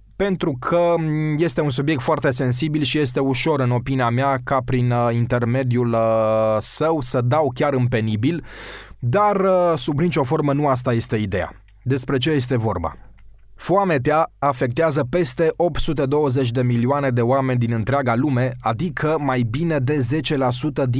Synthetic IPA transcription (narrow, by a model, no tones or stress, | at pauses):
pe̞nt̪ɾukʰəje̞st̪e̞uns̬ubijekt̪foart̪e̞se̞ns̬ibilʃije̞st̪e̞uʃo̞ɾɨno̞piniameakapɾinint̪e̞rme̞d̪iuləsəwsəd̪awkʲaɾɨmpe̞nibil | d̪arəsubnit͡ʃo̞fo̞rmənuast̪aje̞st̪e̞id̪e̞a̰ | d̪e̞spɾe̞t͡ʃe̞je̞s̬t̪e̞vo̞̰rba̰ | foamet̪eaːfe̞k̚t̪eazəpe̞st̪e̞ʔo̞p̚t̪sut̪e̞d̪o̞wəze̞t͡ʃʲd̪e̞milioane̞d̪e̞oame̞nʲd̪inɨnt̪ɾeaɡalume̞ad̪ikʰəmajbine̞d̪e̞ze̞t͡ʃe̞lasut̪əd̪i